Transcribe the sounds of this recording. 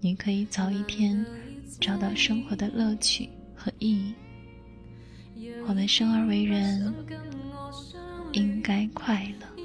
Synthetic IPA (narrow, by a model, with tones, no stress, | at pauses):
ni˨˩kʰɤ˧˥i˨˧˩t͡sɑ˧˥ʊi˥˩tʰjɛ˥n | ʈ͡ʂɑ˨˧˩ʊt̪ɑ˥˩ʊʂɤ˥ŋxwɔ˧˥d̪ə˧lɤ˥˧t͡ɕʰy̰˨˩ | xɤ˧˥ʔi˥˧i˥˩ | xwɔ˧˩d̪ə˧˥ʂɤ˥ŋə˞˧˥we˧˥ɪɻə˧˥n | i˥ŋka˥ɪkʰwa˥˩ɪlə˩